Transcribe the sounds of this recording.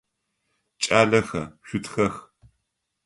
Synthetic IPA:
t͡ʃʼaːɮɐxɐ̰ʃʷʊtʰxɐx

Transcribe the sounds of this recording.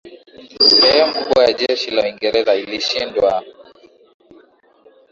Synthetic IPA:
hɛjɔm̩kuɓɔjaʄɛʃilawiŋɡɛɾɛzailiʃindwa

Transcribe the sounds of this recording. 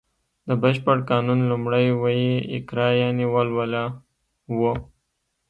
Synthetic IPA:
d̪əbəʃpəɽkɑnunlumɽəjwajeɪ̰kɾɑjɑniwəlwəla | wo

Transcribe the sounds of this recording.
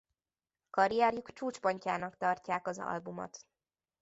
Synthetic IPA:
kɒɾijɛrjukt͡ʃuːt͡ʃpoɲcaːnɒkt̪ɒrcaːkɒzɒ̰lbumo̰t̪

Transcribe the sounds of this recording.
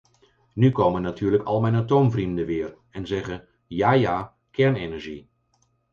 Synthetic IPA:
nykoːwmənːatyːɹləkʰɑlˠmɛjnatowmvrimdəʋɪːr | ɛnzɛɣə | jaːjaː | kɛɹnenɛɹʒi

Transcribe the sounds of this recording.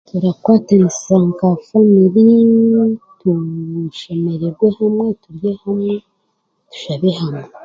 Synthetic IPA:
tʰuɾakwaːtanissaŋkafaniɾi | tuʃo̞me̞ɾeɾɡwehamŋwe̞tuɾjehamŋe | tu̥ʃaβehame

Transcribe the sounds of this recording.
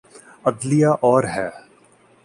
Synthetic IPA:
ɐd̪lijaʔɔːɾɦɛː

